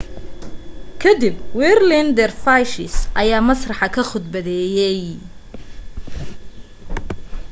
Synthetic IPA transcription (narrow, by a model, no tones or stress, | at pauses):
kʰɐd̪ibwɛːrlɪnd̪ɛrfajʃɪsʔɐjaːmɐsrɑħɑkʰɐχʊd̪bɐðɛːjɛj